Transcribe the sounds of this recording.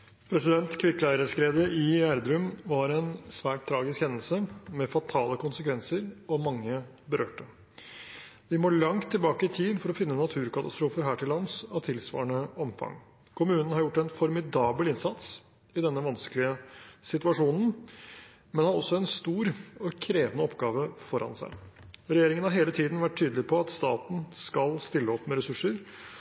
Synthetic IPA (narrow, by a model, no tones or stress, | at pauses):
pʰɾɛsɪd̪ɛnt̪kʰʋɪklæɪɾəskɾeːd̪əɪæɾd̪ɾʉmʋɑɾɛnsʋæːʈ̚t̪ʰːɾɑːɡɪskhɛnːəlsəmɛfɑt̪ʰɑːləkʰʊnsəkʋɛnsəɾɔmɑŋːə | bəɾʔø̰ːʈə | d̪ɪmoːɭɑŋt̪ʰːɪlbɑːkət̪ʰiːd̪fɔɾɔfɪnːənɑt̪ʰʉːɾkɑt̪ɑst̪ɾuːfəɾɦæːʈʰɪlːɑnsɑʋt̪ʰɪlsʋɑ̰ːɳəɔmfɑ̰ŋ | kʰʊmʉːnn̩hɑɾjʊʈːɛnfɔɾmɪd̪ɑːbəlɪnsɑt̪s | ɪd̪ɛnːəʋɑnsklɪəsɪt̪ʉɑʂuːnn̩ | mɛnhɑɾɔsːɔɛnst̪uːɾɔkʰɾeːʋənəɔpɡɑːʋəfɔɾɑ̰nsæ̰ɪɾɛjeːɾɪŋənhɑɾɦeːlət̪ʰiːd̪n̩ʋæʈʰːyːd̪lɪpʰɔɑt̪st̪ɑːt̪n̩skɑlst̪ɪlːəɔpːmɛɾɛsʉʂːəɾ